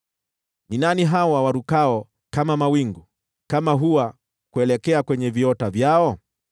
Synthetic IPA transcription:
ninaniɦawawaɾukaɔ | kamamawiŋɡu | kamaɦuwa | kuɛlɛkɛakwɛɲɛviɔtavjaɔ

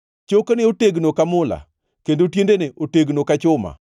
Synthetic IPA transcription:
t͡ʃokonɪoteɡnokamʊla̰ | kendotjendeneʔoteɡnokat͡ʃʊma̰

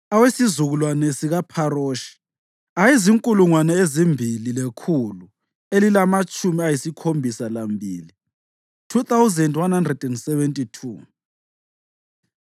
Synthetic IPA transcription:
awesizuɣulwanesiɣapʰaroʃi̥ | ajiziŋkʼuluŋwanɛezimbʱililekʰulu | elilamat͡ʃʼumiajisikʰombʱisalambʱiːli | tʰuθawuzɛndwanhandrɛdɛndsɛβɛntʼitʰu

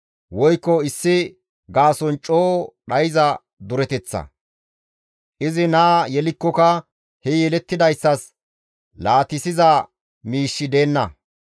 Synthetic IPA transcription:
wɔjkːɔɪsːɪ | ɡaːsɔnt͡ʃʼoːɗɐjɪzɐ | d̪ʊɾɛt̪ɛt͡sːɐ̰ | ʔɪzɪnaːjɛlɪkːɔkɐ | hɛjɛlɛt̪ːɪd̪ɐjsːɐs | laːt̪ɪsɪzɐ | miːʃːɪd̪e̞ːnːɐ̰

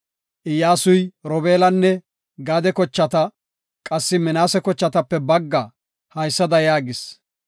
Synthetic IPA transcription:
ʔɪjːaːsʊjɾɔbeːlɐnːɛ | ɡaːd̪ɛkɔt͡ʃːɐt̪ɐ | kʼɐsːɪmɪnaːsɛkɔt͡ʃːɐt̪ɐpːɛbɐɡːɐ | hɐjsːɐd̪ɐjaːɡɪs

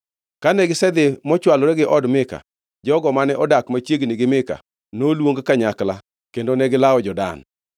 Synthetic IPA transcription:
kanɛɡɪsɛd̪ɪmɔt͡ʃwalɔɾɛɡɪʔɔdmɪka̰ | d͡ʒɔɡɔmanɛʔɔdakmat͡ʃjeɡnɪɡɪmɪka̰ | nolwoŋɡkaɲakla | kendonɛɡɪlaɔd͡ʒɔda̰n

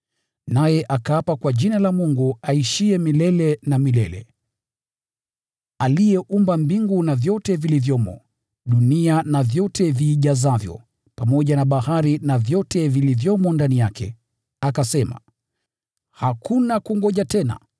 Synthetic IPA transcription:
najɛʔakaapakwaʄinalamuŋɡuaiʃiɛmilɛlɛnamilɛlɛ̰ | alijɛʔumbambiŋɡunavjɔtɛvilivjɔmɔ̰ | ɗunianavjɔtʰɛviːʄazavjɔ̰ | pamɔʄanaɓahaɾinavjɔtɛvilivjɔmɔndanijakɛ̰ | akasɛma̰ | hakunakuŋɡɔʄatɛna̰

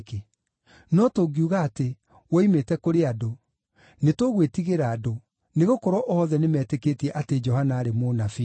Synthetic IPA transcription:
ke | nɔtoɡiuɣaːte | wɔimetɛkoɾeado | netoɣwetiɣeɾaːdo | neɣokɔɾɔʔɔhɔðɛnemɛːteketiɛʔated͡ʒɔhanaːɾemonafi

